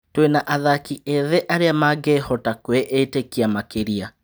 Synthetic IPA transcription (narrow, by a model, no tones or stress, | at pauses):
twenaʔaðakiʔeðeʔaɾeamaɡehɔtakweʔetekiamakeɾia